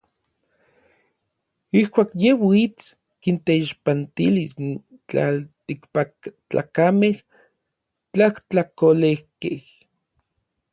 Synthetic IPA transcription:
ihkʷaːkjewit͡s | kint̪eiʃpant̪ilis | t͡ɬa̰lt̪ikpat͡ɬa̰kameh | t͡ɬaht͡ɬakolehkeh

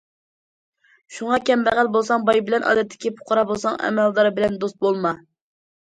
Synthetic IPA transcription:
ʃuŋɑkʲɛmbæʁælbolˠsɑŋbɑjbɪlɛnʔɑ̰ːd̪ɛt̪ʰːɪ̥kʲipʰʊ̥qʰɑɾɑbolˠsɑŋɛ̰mɛld̪ɑɾbɪlɛnd̪ost̪̚bolˠmɑ

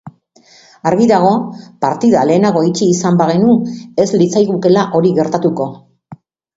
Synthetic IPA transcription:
aɾɣiðaɣ̞o̞paɾt̪iðale̞ːnaɣo̞it͡ʃiːsambaɣe̞nue̞zlit͡sajɣuke̞laʔo̞ɾiɣe̞ɾt̪at̪uko̞

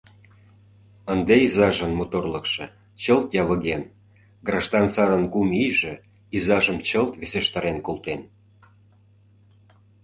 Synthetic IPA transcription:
ənd̪eizɑʒənmot̪orləkʃɤ̆ | t͡ɕəlt̪jɑβə̆ɣen | ɡrɑʒd̪ɑnsɑɾənkumijʒĕ | izɑʒəmt͡ɕəlt̪βeseʃt̪ɑɾenkolt̪en

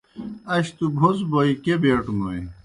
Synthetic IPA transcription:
ɐɕt̪ubʱosboikebeʈmoj

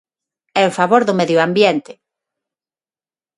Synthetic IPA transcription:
ɛʊfaβoɾðʊmeðjoambjent̪ɪ

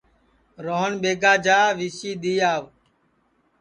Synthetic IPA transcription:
ɾoːənɓeːɡaːd͡ʒaːʋiːsiːɗ̪iːaːʋ

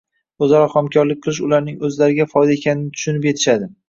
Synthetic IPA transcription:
ɵzaɾɒχɒmkʲʰɒɾlɪk̚ʲqʰɨlˠɪʃʊlaɾnɪŋɵzlaɾɪɡʲafɒjd̪aekʲʰanɪnɪt̪ʰʊ̥ʃʊnɪpje̞t̪ʰɪ̥ʃad̪ɪ

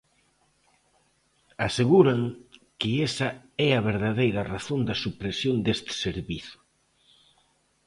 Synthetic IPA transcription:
aseɣuɾɐŋkɪesɐɛɐβ̞eɾðaðejɾɐraθond̪ɐsupɾesjond̪est̪ɪ̥seɾβiθʊ̥

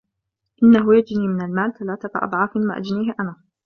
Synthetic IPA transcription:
ʔɪnːaɦʊjad͡ʒniːmɪnalmaːlt̪alaːt̪akɑ̰ʔɑ̰d̪ˤʕɑːfɪnma̰ʔad͡ʒniːhʔanaː

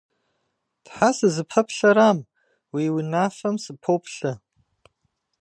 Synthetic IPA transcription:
d̥ħasɨzɨpʰɐpʰɬaɾam | wiwinafamsɨpʰowpʰɬɨ

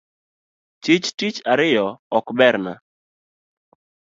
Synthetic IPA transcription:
t͡ʃɪt͡ʃtit͡ʃaɾɪjɔɔkbɛɾna̰

